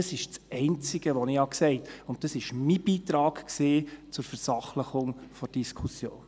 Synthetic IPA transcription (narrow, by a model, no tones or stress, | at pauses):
əsɪʃt͡sɛɪnt͡sɪɡ̥əʋɔnɪhɑksɛɪtʊnt̚tɑsɪʃmib̥iːtɾɑːɡkseːt͡sʊɾfəɾsɑχləχʊŋfɔd̥iskʰusjo̰ːn